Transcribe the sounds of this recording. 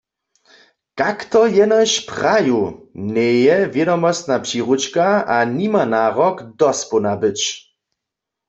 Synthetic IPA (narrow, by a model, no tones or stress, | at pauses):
kakt̪ɔjɛnaɕpʁajunɛjɛvjɛdɔmɔst̪napʂiʁut͡ʃkaanimanaːʁɔkd̪ɔspunabɪt͡ʃ